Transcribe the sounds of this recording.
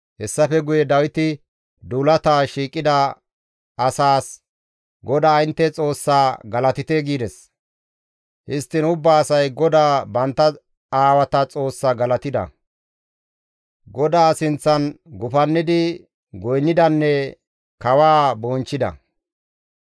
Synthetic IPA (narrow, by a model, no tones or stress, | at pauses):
hɛsːɐfɛɡʊjɛd̪ɐwɪt̪ɪ | d̪uːlɐt̪aːʃiːkʼːɪd̪ɐ | ɐsaːs | ɡɔd̪aːɪnt̪ːɛt͡sʼo̞ːsːaːɡɐlɐt̪ɪt̪eɡiːd̪ɛs | hɪst̪ːɪnʊbːaːsɐjɡɔd̪aːbɐnt̪ːɐ | aːwɐt̪ɐt͡sʼo̞ːsːaɡɐlɐt̪ɪd̪ɐ̰ | ɡɔd̪aːsɪnt͡sːɐnɡʊfɐnːɪd̪ɪ | ɡɔjnːɪd̪ɐnːɛ | kɐwaːboːnt͡ʃːɪd̪ɐ̰